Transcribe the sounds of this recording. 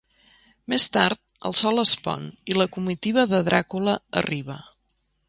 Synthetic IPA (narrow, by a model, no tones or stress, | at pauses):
mest̪aɾt̪̚ə̰lˠsɔləspɔ̰niləkumit̪iβ̞əðəðɾʔakuləə̰riβ̞ə